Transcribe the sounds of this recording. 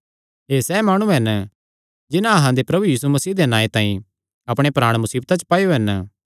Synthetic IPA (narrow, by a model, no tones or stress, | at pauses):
ɦeːsɛːmaːɽ̃ũɦɛn | d͡ʒɪnãɐɦãd̪epɾɐbujiːsumɐsiːd̪enaːet̪ãːĩ | ɐpɽ̃epɾaːɽ̃mʊsiːbt̪at͡ʃə̥paːjoɦɛnə